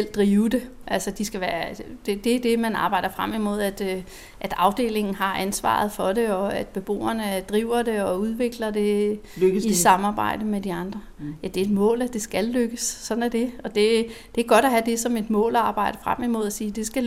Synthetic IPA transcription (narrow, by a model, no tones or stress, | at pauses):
l̰d̥ʁiːʊd̥e̝ | ʔælsəd̥isɡ̥æʋæːɐd̥e̝d̥e̝d̥e̝mænɑ̈ːb̥ɑ̈ɪ̰d̥ɐfʁam̰imo̝ð̞̰ˠæd̥ | ʔæd̥ɑ̈ʊd̥e̝̰ːle̝ŋn̩ɦɑ̈ʔænsʋɑ̰̈ð̞̩ˠfɒ̽ɾe̝ɒ̽æd̥b̥e̝b̥o̝̰ːɐnəd̥ʁiːʊ̰ɐde̝ɒ̽uð̞ˠʋe̝ɡ̥lɐd̥e̝ | isɑ̈mɑ̈ːb̥ɑ̈ɪ̰d̥əmed̥iɑ̈nd̥ʁɐjæd̥e̝ed̥mɔ̰̽ːlæd̥e̝sɡ̥ælːøɡ̥əsːɒ̽d̥næd̥e̝ɒ̽d̥e̝d̥e̝ɡ̥ɒ̽ɾ̥ɒɦæd̥e̝sɒ̽me̝d̥mɔ̰̽ːlɒɑ̈ːb̥ɑ̈ɪ̰ɾ̥əfʁam̰imo̝ð̞̰ˠæsiːd̥e̝sɡ̥æ